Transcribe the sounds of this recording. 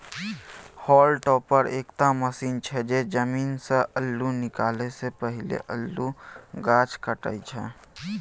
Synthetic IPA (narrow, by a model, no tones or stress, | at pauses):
hɔːlʈɔːpəɾḛːkt̪aməsiːnt͡ʃʰɛd͡ʒed͡ʒəmiːnseʔəlːunɪkaːlesepəɦɪlḛʔəlːuɡaːt͡ʃkəʈə̰it͡ʃʰɛː